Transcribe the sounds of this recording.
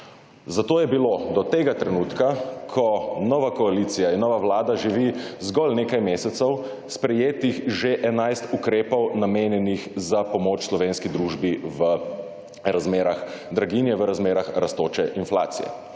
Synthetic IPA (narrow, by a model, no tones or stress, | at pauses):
zat̪oːjɛbilod̪ɔt̪eːɡat̪ɾɛnuːt̪kakʰɔnɔʋakɔalit̪sijainːɔːʋaʋlaːd̪aʒiʋizɡɔlnekajmeːsɛt̪sɔw | spɾɛjeːt̪ixʒeʔɛnajst̪ukɾeːpɔwnameːnjɛnixzapɔmoːt͡ʃslɔʋeːnskid̪ɾuːʒbiʋə | ɾazmeːɾaxd̪ɾaɡinjɛʋəɾazmeːɾaxɾast̪oːt͡ʃɛʔinfla̰ːt̪sḭjɛ̰